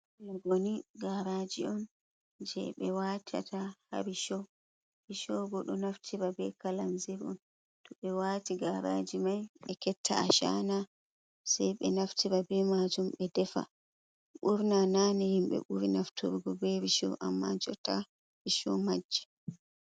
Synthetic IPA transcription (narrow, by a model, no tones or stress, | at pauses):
laɡoniɡaɾad͡ʒiɔn | d͡ʒɛ̰ɓɛwatʰia̰taha̰ɾiʃɔ | ɾiʃɔɡɔɗɔnaftʰiɾabɛkalamziɾɔ̰n | tɔɓɛwaːtiɡaɾa̰d͡ʒimajɓɛkɛtʰːa̰aʃa̰na | sajɓɛnaftʰiɾabɛmad͡ʒumɓɛdɛfa̰ | ɓuɾnananɛhimɓɛ̰ɓuɾinaftʰuɾɡɔbɛɾiʃɔ̰ʔamːad͡ʒɔta | ɾiʃɔ̰mad͡ʒːɛ̥